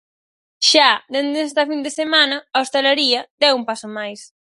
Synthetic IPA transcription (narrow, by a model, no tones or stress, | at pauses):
ʃad̪end̪ɛst̪ɐfind̪esemanɐaost̪eleɾiɐd̪ɛumpasomajs